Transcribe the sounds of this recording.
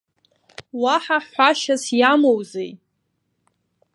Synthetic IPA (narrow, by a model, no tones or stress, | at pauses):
waħaħħʷaʃasjamowzej